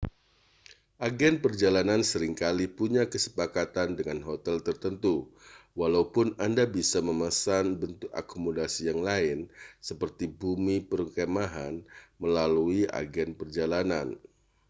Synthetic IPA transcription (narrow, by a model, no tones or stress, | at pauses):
ʔaɡɛnpərd͡ʒalanansəɾɪŋkalipuɲakəsə̥pakat̪andəŋanɦot̪ɛlt̪ərt̪ənt̪uwalaupʊnandabisaməmasanbənt̪ʊk̚a̰kumodasijaŋlaɪnsəpərt̪ibumipəɾəŋkɛmaɦanməlaluiʔa̰ɡɛnpərd͡ʒalanan